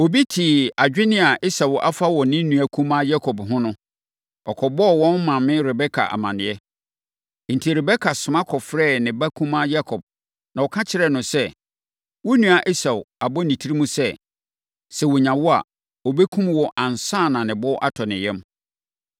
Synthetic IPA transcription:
o˨bi˦tʰi˨a˨d͡ʑᶣɪ˦nɪ̃˦a˨ʔɪ˦sa˨wʔa̰˦fa˦wɔ˨nɪ̃˦nũ˨æ˨kʰũ˦mã˦ja˦kʰɔ˨bɦʊ̃˦nʊ̃˦ | ɔ˨kʰɔ˨bɔ˦ɔ˨wɔ̃˦n˦mã˨mɪ̃˦ɾɛ˨bɛ˦kʰa̰˨ʔa̰˨mã˨nɪ̃˨ɛ˦ | n̩˨tʰi˨ɾɛ˨bɛ˦kʰa˨sʊ̃˨mã˦kʰɔ˨fɾɛ˦˨nɪ̃˨ba˦kʰũ˦mã˦ja˦kʰɔ˨b̥̚ | nã˨wɔ˨kʰã˦t͡ɕʰɪ˦ɾɛ˨nʊ̃˨sɛ˦ | wɔ˦nũ˨a˨ʔe˦sa˨wʊ˨a˨bɔ˦nĩ˨tʰi˦ɾi˦mũ˦sɛ˦ | sɛ˨wɔ˨ɲã˨wɔ˦a̰˨ | ɔ˨bɛ˦kʰũ˦mwɔ˨ʔã˨n˨sãː˦˨nã˨nɪ̃˨bɔ˦ʔa˦tʰɔ˨nɪ̃˨jɛ̃˦m

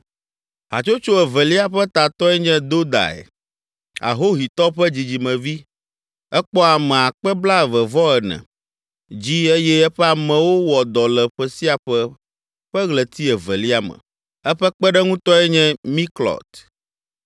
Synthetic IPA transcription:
ɦa̰˨t͡ʃo˦t͡ʃo˦ɛ˨vɛ˨li˦a˨ɸɛ˦t̪a˨t̪ɔ˦ɛ˦ɲɛ̃˦d̪o˦d̪a̰˨ɛ̰˨ | a̰˨ɦo˦ɦi˨t̪ɔ˦ɸɛ˦d͡ʑi˨d͡ʑi˨mɛ̃˨vi˦ | ɛ˦k͡pɔ˦a˨mɛ̃˨a˨k͡pɛ˦bla˦ɛ˨vɛ˨vɔ˦ɛ˨nɛ̰̃˨ | d͡ʑi˦e˦jɛ˦ɛ˦ɸɛ˦a˨mɛ̃˨wo˦wɔ˨d̪ɔ˨lɛ˨ɸɛ˦si˦a˨ɸɛ˦ | ɸɛ˦ɣlɛ˨t̪i˦ɛ˨vɛ̰˨li˦a˨mɛ̰̃˨ | ɛ˦ɸɛ˦k͡pɛ˦ɖɛ˦ŋũ˦t̪ɔ˦ɛ˦ɲɛ̃˦mi˦klɔ̰˨t̪

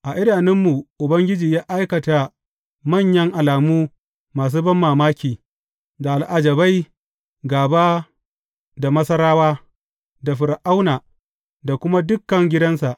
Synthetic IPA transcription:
ʔa˨ʔɪ˦daː˨nɪ˦mːu˨ʔʊ˨bɐ˦ŋɡʲɪ˦d͡ʒiː˨jaː˦ʔa˦jkɐ˨ta˨ | mɐ˦˨ɲjɐ˦ŋʔa˨laː˨muː˦ | maː˨s̬uː˦bɐ˦mːaː˨maː˦kʲiː˨ | da˨ʔa˨lʔa˨d͡ʒɐ˨ba˦j | ɡaː˨baː˦ | da˨mɐ˦sɐ˦ɾaː˦waː˦ | da˨ɸɪ˨ɾʔa˦wnaː˨ | da˨kʷʊ˦ma˦dʊ˦kːɐ˨ŋɡʲɪ˦dɐ˦nsa˨ʔ

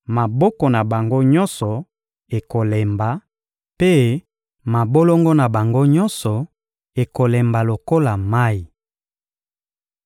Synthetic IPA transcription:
ma˨bɔ˦kɔ˨na˨ba˨ŋɡo˦ɲɔ˦nsɔ˨ | e˨ko˨lɛ˨mba˨ | pe˦ | ma˨bo˦lo˦ŋɡɔ˦na˨ba˨ŋɡo˦ɲɔ˦nsɔ˨ | e˨ko˨lɛ˨mba˨lo˨ko˦la˨ma˦i˨

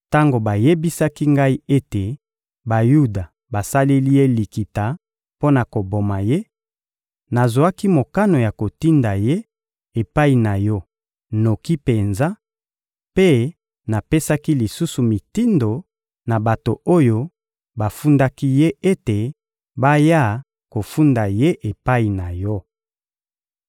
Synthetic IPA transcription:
ta˦ŋɡo˨ba˨je˦bi˦sa˦ki˦ŋɡa˦i˦e˦te˨ | ba˨ju˦da˨ | ba˨sa˦le˦li˦je˦li˨ki˨ta˨ | po˦na˨ko˨bo˨ma˨je˦ | na˨zwa˦ki˦mo˨ka˦no˨ja˨ko˨ti˦nda˨je˦ | e˨pa˦i˨na˨jɔ˦ | no˨ki˦pe˨nza˦ | pe˦ | na˨pe˦sa˦ki˦li˨su˦su˨mi˨ti˦ndo˨ | na˨ba˨to˨o˦jo˦ | ba˨fu˦nda˦ki˦je˦e˦te˨ | ba˦ja˦ | ko˨fu˦nda˨je˦ʔe˨pa˦i˨na˨jɔ˦

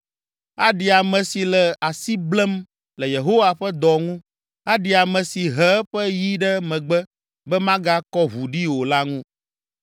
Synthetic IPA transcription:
a˦ɖi˨a˨mɛ̃˨si˨lɛ˨a˨si˦blɛ˦m | lɛ˨je˨ɦo˦wa˨ɸɛ˦d̪ɔ˨ŋũ˦ | a˦ɖi˨a˨mɛ̃˨si˨ɦɛ˦ɸɛ˦ji˦ɖɛ˦mɛ̃˨ɡ͡bɛ˦ | bɛ˦mã˦ɡa˦kɔ˦βu˨ɖi˦wo˨la˦ŋũ˦

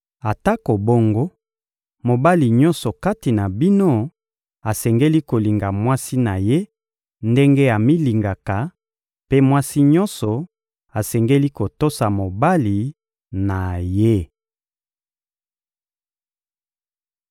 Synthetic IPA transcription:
a˨ta˦ko˨bo˦ŋɡo˦ | mo˨ba˦li˨ɲɔ̃˦nsɔ˨ka˦ti˨na˨bi˦no˦ | a˨sɛ˨ŋɡe˦li˦ko˨li˨ŋɡa˨mwa˦si˦na˨je˦ | nde˦ŋɡe˦a˨mi˦li˨ŋɡa˨ka˨ | pe˦mwa˦si˦ɲɔ˦nsɔ˨ | a˨sɛ˨ŋɡe˦li˦ko˨to˦sa˨mo˨ba˦li˨ | na˨je˦

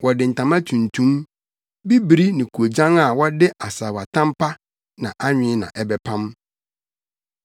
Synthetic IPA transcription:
wɔ˨dɪ̃˨n̩˨tʰã˨mã˦tʰũ˨ntʰũ˦m | bi˦bi˨ɾi˦nĩ˨kʰu˨o˨d͡ʑã˦ŋa˨wɔ˦dɪ˦ʔa˨saː˨wa˨tʰã˦m˦pʰa˦ | nã˨ʔa˦ɲᶣɪ̃˨˦nã̰˨ʔɛ˦bɛ˦pʰã˦m

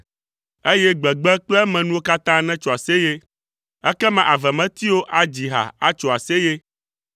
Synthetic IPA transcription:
e˦jɛ˦ɡ͡bɛ˨ɡ͡bɛ˦k͡plɛ˦mɛ̃˨nũ˦wo˦ka˦t̪ã˦nɛ̃˦t͡ʃɔ˨a˨se˦je˦ | ɛ˦kɛ˦mɛ̃˨ʔa˨vɛ˨mɛ̃˦t̪i˦wo˦ʔa˨d͡ʑi˨ɦa̰˨a˦t͡ʃɔ˨a˨se˦je˦

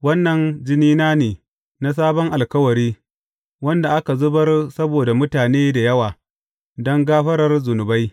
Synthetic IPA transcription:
wɐ˦nːɐ˨nd͡ʒɪ˦niː˦naː˦neː˨ | na˦s̬aː˦bɔ˦ŋʔa˨lkɐ˦wɐ˨ɾiː˦ | wɐ˦nda˨ʔa˦ka˨zʊ˦bɐ˦rsɐ˦boː˨da˨mʊ˦taː˨neː˦da˨jɐ˦waː˨ | dɔ˦ŋɡaː˦ɸɐ˦ɾɐ˦rzʊ˨nʊ˨ba˦j

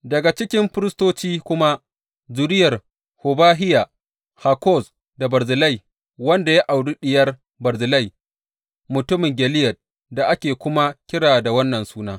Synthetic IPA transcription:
dɐ˨ɡa˨t͡ʃɪ˦kʲɪ˦mɸɪ˦ɾɪ˦stoː˦t͡ʃiː˦kʷʊ˦ma˦ | d͡ʒʊ˨ɾɪ˦jɐ˨r | hʊ˨baː˦ɦɪ˦ja˨ | ha˨kɔ˦˨s | da˨bɐ˨ɾzɪ˨lɐ˦˨j | wɐ˦nda˨ja˦ʔa˨wdu˦ɗɪ˨jɐ˦r | bɐ˨ɾzɪ˨lɐ˦˨j | mʊ˨tʊ˦mɪ˨ŋɡʲɛ˨lɪ˦jɐ˨t̚ | da˨ʔa˦kʲeː˨kʷʊ˦ma˦kʲɪ˦ɽaː˨da˨wɐ˦nːɐ˨nsuː˦naː˦

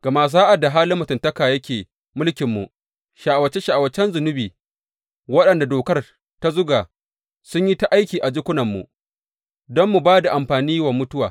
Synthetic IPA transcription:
ɡ̥ɐ˨maː˦z̬aː˦ʔa˨da˨ɦaː˦lɪ˦mːʊ˨tɪ˨ntɐ˦kaː˨jɐ˦kʲeː˨ | mʊ˦lkʲɪ˨mːṵ˨ʔ | ʃaː˨ʔwɐ˨t͡ʃːɛ˦ʃa˨a˨wɐ˨t͡ʃːɛ˦nzʊ˨nʊ˦biː˨ | wɐ˦ɗɐ˨nda˨doː˨kɐ˦r | ta˦zʊ˦ɡaː˨ | sʊ˦ɲji˦ta˦ʔa˦jkʲiː˨ʔa˨d͡ʒɪ˦kʷʊ˦nɐ˨mːṵ˨ | dɔ˦mːu˨baː˦da˨ʔa˨mɸaː˨niː˦wɐ˨mːʊ˦tʊ˦wa̰ː˨

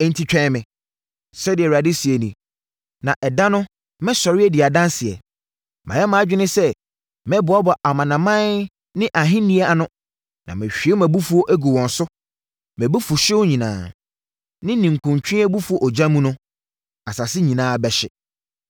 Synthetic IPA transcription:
ɛ˦n̩˦tʰi˦t͡ɕᶣɛ̃˦mɪ̃˨ | sɛ˦dɪ˨ɛ˨wa˨dɪ˦si˨e˨nĩ˨ | nã˨ʔɛ˨dã˦nʊ̃˦ | mɛ̃˦sɔ˨ɾɪ˦ɛ˦dɪ˨a˨dã˦nsɪ˨ɛ̰˨ | mʔã̰˨jɛ˦mã˨˦d͡ʑᶣɪ˦nɪ̃˦sɛ˦ | mɛ̃˦bʊ˨˦a˦bɔ˨ʔa˨mã˨nã˨mã˦n | nɪ̃˦ʔa˨ɦɪ̃˦nĩ˦ɛ˦a˨nʊ̃˦ | nã̰˨mɪ̃˨ɕᶣi˨˦e˦mæ̃˨bu˦fu˦o˦ʔæ˦ɡu˨wɔ̃˨nsʊ˦ | mæ̃˨bɛ˦fu˨ɕɪ˦wʊ˦ɲĩ˨nã̰ː˨ | nɪ̃˦nĩ˨ŋ̩˨kʰʊ̃˨ɲt͡ɕʰᶣɪ̃˦ɛ˦bu˦fu˨o˨ʔɔ˨d͡ʑã˦mũ˦nʊ̃˦ | a˨sa˨sɪ˦ɲĩ˨nãː˦˨bɛ˨ɕɪ˨

